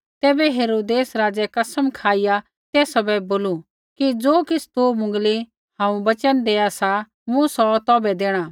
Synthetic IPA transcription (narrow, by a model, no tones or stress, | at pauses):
t̪ɛːbɛɦeːɾoːd̪eːsɾaːd͡zɛkɐsəmkʰaːɪja | t̪eːsɔbɛboːlu | kid͡zoːkɪt͡sʰt̪oːmʊ̃ŋɡli | hãːũbɐt͡ʃənd̪eːasa | mũsɔt̪ɔːbɛd̪eːɽ̃a